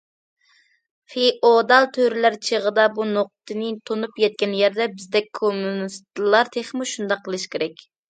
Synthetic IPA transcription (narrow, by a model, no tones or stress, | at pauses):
χeʔod̪ɑlˠt̪ʰøɾɪlæɾt͡ʃʰəʁəd̪ɑbunoq̚t̪ʰɨnɨt̪ʰonupjɛt̪̚kʲɛnjæɾd̪ɛbɪzd̪ɛkʲkʰomunist̪lˠɑɾt̪ʰeχmuʃund̪ɑqʰːəlˠɨʃkʲʰeɾɛkʲ